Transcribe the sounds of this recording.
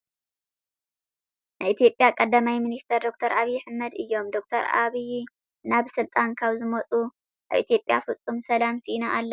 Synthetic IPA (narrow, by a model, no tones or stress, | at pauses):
naʔit̪ʰijo̞pʼːjakʼɐd̪ːɐmajminist̪ʰɐɾd̪ok̚t̪ʰɐɾaβijːħɨmːɐd̪ɨjːo̞md̪o̞k̚t̪ʰɐɾa̰βij | naβsɨlt̪ʼaŋkʰaβzɨmɐt͡sʼu | ʔaβḭt̪ʰijo̞pʼjafɨt͡sʼːumsɐlamsinaʔalːɐ